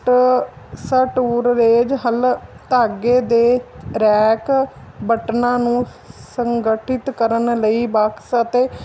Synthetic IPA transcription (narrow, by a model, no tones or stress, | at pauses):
ʈ | səʈuːɾɾeːd͡ʒɦəlt̪aːɡeːd̪eːɾɛːkbəʈnãːnũː | səŋɡəʈʰɪt̪kəɾənləiːbaksət̪eː